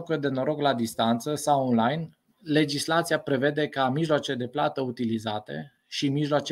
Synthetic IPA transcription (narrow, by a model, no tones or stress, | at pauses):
kəd̪e̞no̞ɾo̞klad̪ist̪ant̪səsawonlajn | le̞d͡ʒislat̪siapɾe̞ve̞d̪e̞kamiʒloat͡ʃed̪e̞plat̪əut̪ilizat̪e̞̰ | ʃimiʒloat͡ʃe